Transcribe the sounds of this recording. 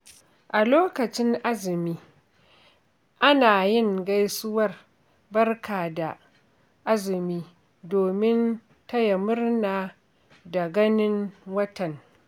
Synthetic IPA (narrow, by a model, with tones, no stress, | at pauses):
ʔa˨loː˦kɐ˨t͡ʃɪ˦ŋʔa˦zɪ˨miː˦ | ʔa˦naː˨jɪ˦˨ŋɡa˦jsʊ˦wɐ˦r | bɐ˦rkʰaː˨da˨ | ʔa˦zɪ˨miː˦ | doː˨mɪ˦n | ta˦jɐ˨mʊ˦rnaː˨ | da˨ɡɐ˦nɪ˦ŋwɐ˦tɐ˨ŋ